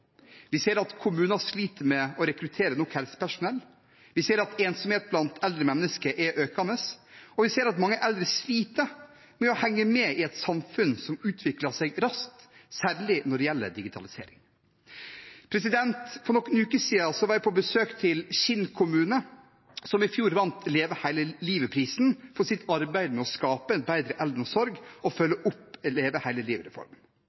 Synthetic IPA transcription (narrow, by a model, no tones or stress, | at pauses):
ʋɪseːɾɑt̪kʰʊmʉːnɑʂliːt̪əɾmɛɔɾɛkɾʉt̪ʰeːɾənɔkhɛlsə̥pʰæʂʊnɛlː | ʋɪseːɾɑt̪eːnsɔmheːt̪̚blɑnt̪ʰɛld̪ɾəmɛnːəskəʔɛʔøːkɑnəsɔʋɪseːɾɑt̪mɑŋːəʔɛld̪ɾəsliːt̪ə | mɛɔhɛŋːəmɛɪɛt̪sɑmfʉnsɔmʉːt̪ʰʋɪklɑsɛɡɾɑskt̪sæːɾɭɪnɔɖɛjɛlːə̰ɾd̪ɪɡɪt̪ʰɑlɪsḛːɾɪŋ | pʰɾɛsɪd̪ɛnt̪fɔɾnɔkːənʉːkəsiːsɔʋɑːɾæɪpʰɔbəsøːkt̪ʰɪlɕɪnkʰʊmʉːnə | sɔmɪfjuːɾʋɑnt̪leːʋəhæɪləliːʋəpʰɾiːsnfɔsɪt̪ʰɑɾbæɪd̪mɛɔskɑːpəɛnbæɪd̪ɾəʔɛld̪ɾɔsɔɾɡɔfœlːəʔʊpːleːʋəhæɪləliːʋəɾɛ̰fɔ̰ɾmən